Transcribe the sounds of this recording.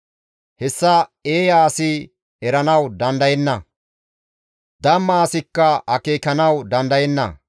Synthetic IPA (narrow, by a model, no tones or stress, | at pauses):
hɛsːɐeːjaːsɪ | ɛɾɐnɐwd̪ɐnd̪ɐjɛnːɐ | d̪ɐmːɐːsɪkːɐɐkeːkɐnɐwd̪ɐnd̪ɐjɛnːɐ̰